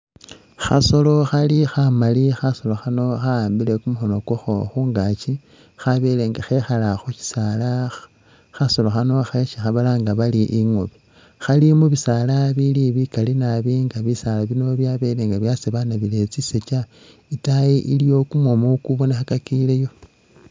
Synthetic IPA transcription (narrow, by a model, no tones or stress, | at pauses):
xa̰so̞lo̞xalixamalixaso̞lo̞xano̞xaaːmbile̞kumuxo̞no̞koxoxuːŋɡat͡ʃi | xaβe̞le̞ːŋɡaxe̞xalaxuci̥sala | xaso̞loxano̞xeʃixaβalaŋɡaβaliʔiŋoβi | xalimuβisalaβiliβikalinaβiŋɡaβisalaβinoβjaβeleŋɡaβjaseβanaβile̞t͡siset͡ʃa | itajiʔilijo̞kumwomokuβonexakakilejo̞